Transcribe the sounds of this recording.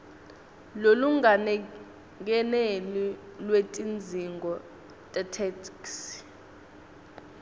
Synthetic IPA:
loluŋanɛ | k̬ɛnɛlilwetʼind͡zʱiŋɡʱɔ | tʼɛtʰɛtʰiks

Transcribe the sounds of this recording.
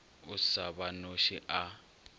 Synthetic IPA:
ʊsaβanoʃiʔa

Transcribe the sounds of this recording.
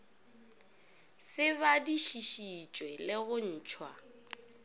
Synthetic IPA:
sɪβadiʃiʃit͡ʃʼwɛlɪɣʊn̩ːt͡ʃʰwa

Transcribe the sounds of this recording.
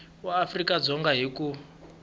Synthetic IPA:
waafrikad͡zɔŋɡaɦiku

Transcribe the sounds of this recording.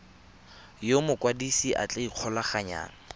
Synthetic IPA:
jomʊkwadisiʔa̰t͡ɬʼeiq͡χʰɔlaχaɲa̰ːna

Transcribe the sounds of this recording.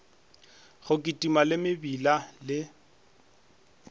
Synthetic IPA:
χʊkʼɪtʼimalɪmɪbilalɪ

